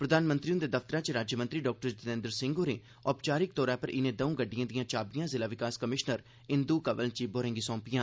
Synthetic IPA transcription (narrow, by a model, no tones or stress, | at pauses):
pɾəd̪aːnmə̃nt̪ɾiːʊ̃nd̪eːd̪əft̪əɾãːt͡ʃɾaːd͡ʒjmə̃nt̪ɾiːɖɔːk̚ʈəɾd͡ʒ̪ɪnẽnd̪əɾsɪ̃ŋɡoːɾeː | ɔːpt͡ʃaːɾɪk̚t̪ɔːɾaːpəɾʔɪnẽːd̪əũːɡəɖːijãːd̪ɪjãːt͡ʃaːbijãːzɪlaːʋɪkaːskəmɪʃnəɾ | ɪnd̪uːkəʋəlt͡ʃiːboːɾẽːŋɡiːsɔ̃ːpɪjãː